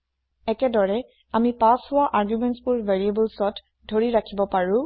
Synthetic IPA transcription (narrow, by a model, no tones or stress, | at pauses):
ɛkɛdɔɹɛ | amipashʊwaʔaɹɡjumɛntsbʊɹveɹiebulsɔt | dʱoɹiɹakʰibɔpaɹʊ̃